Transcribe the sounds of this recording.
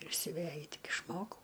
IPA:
ɪr sʲʊˈʋʲæjʊ ˈtʲɪk ɪʃˈmoːkɐʊ

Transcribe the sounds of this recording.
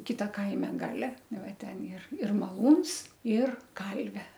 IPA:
ˈkʲɪtɐ ˈkɐɪmʲɛ ˈɡɑːlʲɛ ˈnʊ ˈʋɐ ˈtʲɛn ɪr ɪr mɐˈlˠuːns ɪr ˈkɐlʲʋʲeː

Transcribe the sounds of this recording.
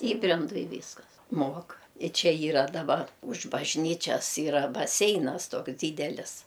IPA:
ˈiːbʲrʲɛndʊ ɪ ˈʋʲiːskɐs ˈmuɔk ɪ ˈt͡ʃʲɛ ˈiːrɐ dɐˈbɐr ʊʃ bɐʒʲˈnʲiːt͡ʃʲɛs ˈiːrɐ bɐˈsʲɛɪnɐs ˈtoːks ˈdʲiːdʲɛlʲɪs

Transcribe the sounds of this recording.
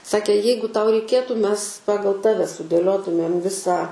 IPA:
ˈsɑːkʲeː ˈjɛɪɡʊ ˈtɐʊ rʲɛɪˈkʲeːtuː ˈmʲɛs ˈpɑːɡɐlˠ ˈtɑːʋʲɛ sʊdʲeːˈlʲoːtʊmʲeːm ˈʋʲɪsɑː

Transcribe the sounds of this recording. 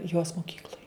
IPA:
joːs moːˈkʲiːklˠoːj

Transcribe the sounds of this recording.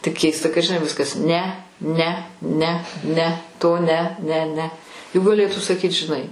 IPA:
tʲɪk ˈkʲɛɪstɐ kɐt ʒʲɪˈnɐɪ ˈʋʲɪskɐs ˈnʲɛ ˈnʲɛ ˈnʲɛ ˈnʲɛ ˈtoː ˈnʲɛ ˈnʲɛ ˈnʲɛ jʊk ɡɐˈlʲeːtuː sɐˈkʲiːt ʒʲɪˈnɐɪ

